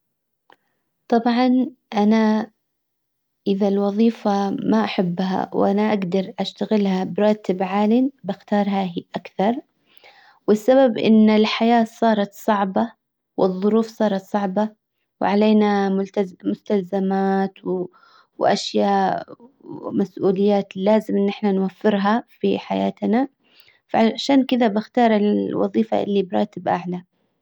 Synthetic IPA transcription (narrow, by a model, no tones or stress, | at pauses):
t̪ˤɑbʕɑnʔana | ʔɪðalwɑðˤiːfamaʔaħabːɦa̰wʔanaʔaɡd̪ɑɾˤʔaʃt̪aɣɪlhabɾˤɑːt̪ɪbʕaːlɪnbɪxt̪ɑːɾˤhaɦiʔakθɑɾˤ | wɪsːababʔɪ̰nːɪlħajaːsˤɑːɾˤɑt̪sˤɑʕbɑ | wɪðˤːʊɾuːfsˤɑːɾˤɑt̪sˤɑʕbɑ | w̰ʕaleːna | mʊst̪alzamaːt̪w | wʔaʃjaːʔ | masʔuːlɪjːaːt̪laːzɪmʔɪnːʔɪħnanwafːɪɾɦafiħajaːt̪na | faʃaːnkɪd̪abɪxt̪ɑːɾˤɪlwɑ̰ðˤiːfa̰ʔɪ̰lːibɾˤɑ̰ːt̪ɪbʔaʕla